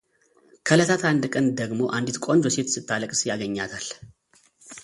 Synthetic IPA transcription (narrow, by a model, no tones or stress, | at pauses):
kʰələt̪ʰat̪and̪kʼənd̪əɡmo̞ʔand̪it̪kʷʼo̞nd͡ʒɔset̪sɨt̪ʰːaləkʼsjaɡəɲːat̪ʰal